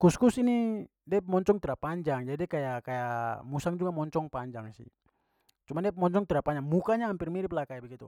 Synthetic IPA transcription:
kuskusini | diapmɔɲt͡ʃɔŋt̪iɾapaɲd͡ʒaŋd͡ʒadidikajakajamusaŋd͡ʒuɡamɔɲt͡ʃɔŋpaɲd͡ʒaŋsḭh | t͡ʃumandiapmɔɲt͡ʃɔŋt̪iɾapaɲd͡ʒaŋmukaɲahampirmiɾiplakaibɛɡit̪ṵ

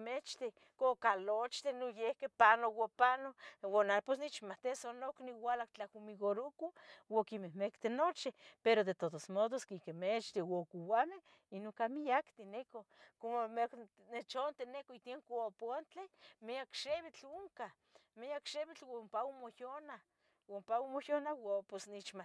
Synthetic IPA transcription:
met͡ʃt̪e | kokalot͡ʃt̪enojehkepanowapanowanaposnit͡ʃmat̪esonokniwalakt͡ɬahumiɡoɾukuwokimehmekt̪enot͡ʃipeɾod̪et̪ot̪osmod̪oskikemet͡ʃt̪ewokuwame | inokamijakt̪inekokomomak | net͡ʃont̪enekoit̪eŋkoapoant͡ɬ̪emeakʃeβit͡ɬuŋka | meakʃeβit͡ɬwampaumojona | wampawmojonawoposnit͡ʃma

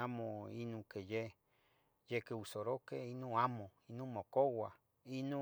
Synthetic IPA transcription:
amõinũkeje | jekeusoɾokeinũamõinũmokowa | inũ

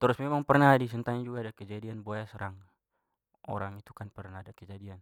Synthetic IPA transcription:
t̪əɾʊsmemaŋpərnadis̬ənt̪aɲad͡ʒuɡaːdakəd͡ʒadianboasəɾaŋ | ʔo̰ɾaŋit̪u̥kanpərnaadakəd͡ʒadian

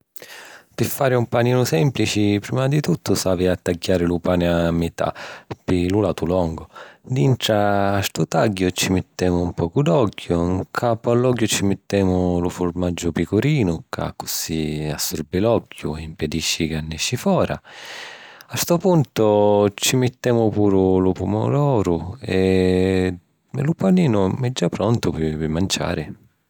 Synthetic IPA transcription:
pɪfːaːɾɪumpaniːnʊsɛmplit͡ʃipɾimad̪it̪ut̪ʰːʊsaːviat̪ːaɟːaːɾɪlupaːnɪamːɪt̪ʰa̰pilulat̪ulɔŋɡʊd̪int̪ɾaːst̪ut̪aɟːʊt͡ʃimɪt̪ːɛːmʊumpɔːkud̪ɔkːjʊŋkʰapʊalːɔɡjʊt͡ʃimɪt̪ːɛːmʊlʊfʊɾmad͡ʒːʊpikʊɾiːnʊkʰa̰kːʊsia̰sːuɾbilɔkʰːjʊ̰impɛd̪iʃːikanːɛʃːifɔːɾʔa̰ | ast̪ʊpunt̪ʊt͡ʃimɪt̪ːɛːmʊpuːɾʊlʊpumʊ̰lɔːɾʊɛ | ɛlʊpaniːnʊmɛd͡ʒːapɾɔnt̪ʊpɪpɪmːant͡ʃa̰ːɾɪ

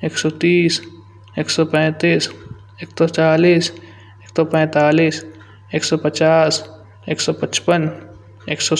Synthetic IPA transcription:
eːksɔːt̪iːs | eːksɔpɛ̃ːt̪iːs | eːksɔt͡ʃaːliːs | eːksɔːpɛ̃ːt̪aːliːs | eːksɔːpət͡ʃaːs | eːksɔːpət͡ʃpən | eːksɔː

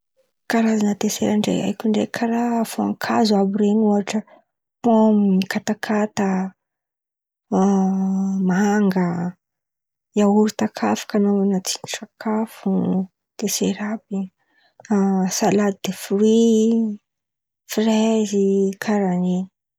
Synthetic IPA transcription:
kaɾazanət̪eseɾaɳɖ͡ʐḛa̰jkʲiɳɖ͡ʐḛkʰaɾaːfoaŋkʰazuabuɾenuaʈ͡ʂə | pomikat̪akʰat̪ə | maaŋɡə | iauɾut̪akʰafi̥kanonat͡si̥niʈ͡ʂakʰafu | t̪eseɾabi | salad̪id̪̥efuɾi | frɛzikʰaɾaneni̥

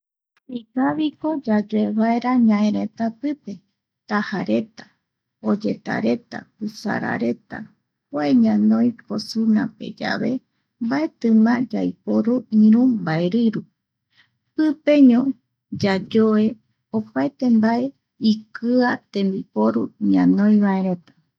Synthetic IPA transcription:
ikaβiko̞d͡ʒad͡ʒoeβaeɾaɲãẽɾe̞t̪apɨpe̞ | t̪ahaɾe̞t̪ḁ | od͡ʒet̪a̰ɾe̞t̪a̰kusa̰ɾa̰ɾe̞t̪a̰ | poeɲãnõj̃posunã̰pe̞̰d͡ʒa̰βe̞ | mbaet̪ɨ̃mãd͡ʒajpoɾuĩɾũmbaeɾɨɾu | pɨpe̞ɲõ | d͡ʒad͡ʒoe̞ | opaet̪e̞mbae̞ | ikɨat̪ẽ̞mbipo̞ɾṵɲãnõj̃βae̞ɾe̞t̪ḁ

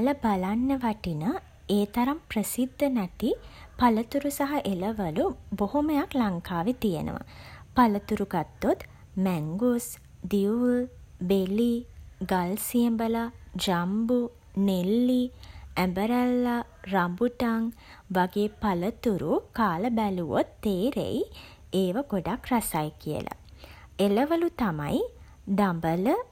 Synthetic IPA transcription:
ləbalanːəʋaʈinə | eːt̪ɐɾampɾəsid̪ʱːənɐʈi | pɐlət̪uɾusaɦɐʔeləʋəlubohoməjaklaŋkʰaːʋit̪ijḛnə̰ʋɐ̰pɐlət̪uɾuɡat̪ːot̪ | mɛŋɡus | d̪iul | beliɡalsijembəlad͡ʒambu | nelːiæmbəɾəlːa | rambuʈaŋ | ʋaɡeːpalət̪uɾukaːləbæluʋo̰t̪ːeːɾḛj | eːʋaɡoɖakrasajkijə̰la̰eləʋəlut̪ama̰j | d̪ambələ

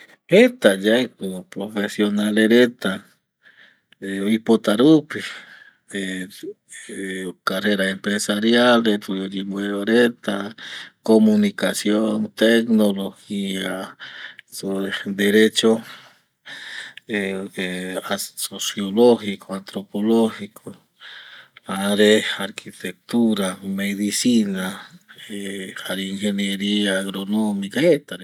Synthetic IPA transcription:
et̪ajaekopɾofesjonaleɾet̪a | eipot̪aɾupi | e | kareɾaempɾesaɾjalepɾimweoɾet̪akomunikasjoŋt̪eknoloxia | soed̪eɾet͡ʃo | eeasosjoloxikʰoant̪ɾopoloxikʰo | aɾeaɾkʰit̪ek̚t̪uɾameðisinaeaɾiŋxenjeɾiaːɣɾonomikaet̪aɾe

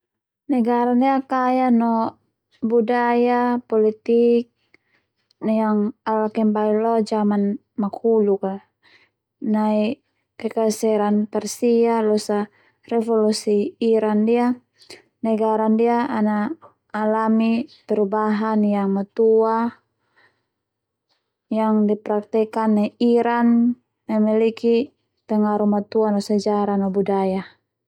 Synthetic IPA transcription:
nɛɡaɾandiakajanɔ | budajapɔlit̪ik̚ | njaŋalakɛmbailɔd͡ʒaman | makʰuluka | nai | kɛkasɛɾanpɛrsialɔsa | rɛfɔlusiːɾandia | nɛɡaɾandiaanaː | lamit̪ɛrubaɦanjaŋmat̪ua | jaŋdipɾak̚t̪ɛkanːɛiɾanː | amɛliki | t̪ɛŋaɾumat̪uanɔsad͡ʒaɾanɔbudaja

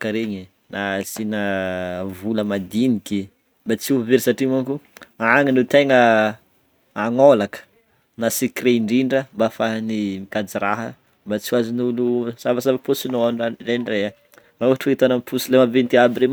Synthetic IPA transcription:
kəɾeɲi | nasinə | vuləmad̪iniki | bat͡siuveɾisaʈ͡ʂimankuaaŋinit̪eŋə | aŋolakə̥ | nasikreɳɖ͡ʐiɳɖ͡ʐəmbafaɦnimikad͡ziɾaɦə | mbat͡siuazinulusavasabapusinoanareɳrea | mauɦaʈ͡ʂeit̪anampusilemavent̪iabiɾem

